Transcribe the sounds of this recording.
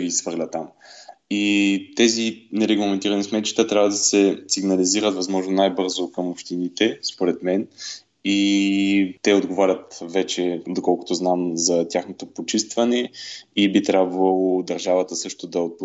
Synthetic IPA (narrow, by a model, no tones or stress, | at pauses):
ɡisvɤɾlʲət̪amit̪ɛzinɛɾɛɡlˠɐmɛnt̪iɾɐnismɛt̪t͡ʃi̥t̪ət̪ɾʲavəd̪ɐsɛsiɡnɐliziɾət̪vɐzmɔʒnonajbɤɾzokɐmopʃt̪init̪ɛspoɾɛt̪mɛn | i | t̪ɛod̪ɡovaɾʲət̪vɛt͡ʃɛd̪okɔlˠkʊ̥t̪oznamzɐt̪ʲjaxnot̪opot͡ʃist̪vɐnɛibit̪ɾʲabvɐlˠod̪ɐɾʒavət̪əsɤʃt̪od̪ɐot̪̚p